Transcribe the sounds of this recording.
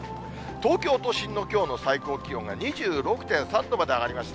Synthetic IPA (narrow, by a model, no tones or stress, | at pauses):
t̪o̞ːkʲo̞ːt̪o̞ɕĩnːo̞kʲo̞ːno̞saiko̞ːkʲijõ̞ŋɡaɲ̟iʑɨːɾo̞kɯ̟̥t̪ẽ̞ɰ̃sãnt̪o̞mad̪e̞aɡaɾʲimaɕi̥t̪a